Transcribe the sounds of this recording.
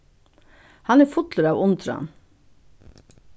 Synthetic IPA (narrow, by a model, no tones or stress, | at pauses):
hɑnæːfʊt̪ləɾɑːʋʊnt̪ʰɾɑ̰n